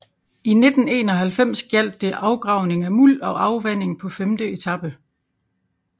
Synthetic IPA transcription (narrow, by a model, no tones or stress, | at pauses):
ine̝d̥n̩e̝̰ːnɒ̽ɦælfem̰sɡ̥jæl̰d̥ːe̝ʔɑ̈ʊɡ̥ʁɑ̈ʊne̝ŋæmul̰ɒ̽ʔɑ̈ʊʋæn̰e̝ŋpʰɒ̽femd̥əe̝t͡sʰɑ̈b̥ə